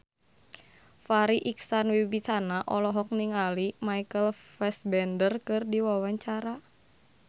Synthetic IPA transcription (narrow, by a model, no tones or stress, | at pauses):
faɾiʔiksanwibisanaʔɔlɔɦɔk̚niŋalimaikəlfɛsbɛndərkɨrdiwawaɲt͡ʃaɾa